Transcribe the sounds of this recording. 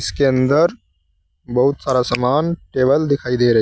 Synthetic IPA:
ɪskeɐ̃nd̪əɾ | bɐɦʊt̪saːɾasamaːnʈeːʋəld̪ɪkʰaːid̪eːɾɐɦ

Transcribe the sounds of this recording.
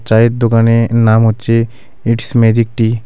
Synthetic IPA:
t͡ʃaːit̪̚d̪ʊkaːnenaːmɦot͡ʃe | ɪʈsmeːd͡ʒik̚ʈi

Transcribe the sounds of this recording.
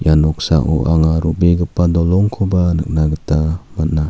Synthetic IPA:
janɔk̚sa̰ʔɔ̰ʔa̰ŋaɾubeɡɯpːadɔlɔŋkʰɔbanɯ̰k̚naɡətamat̚na

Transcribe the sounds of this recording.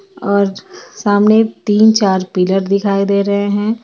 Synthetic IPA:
ɔːɾsaːmnet̪iːnt͡ʃaːɾpiləɾd̪ɪkʰaːid̪eːɾɐɦeɦɛ̃ː

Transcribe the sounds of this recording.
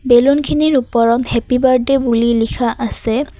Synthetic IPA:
belunkʰiniɹupɔɹɔthepibaɹdɛbulilikʰaʔasɛ

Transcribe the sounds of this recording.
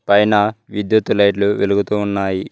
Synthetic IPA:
pɐjnɐʋid̪jut̪ːulɐjʈluʋeluɡut̪uːnːaːji

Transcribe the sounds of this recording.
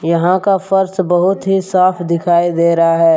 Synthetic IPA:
jɐɦãkafəɾsbɐɦʊt̪ɦisaːpʰd̪ɪkʰaːid̪eːɾɐɦaɦɛː

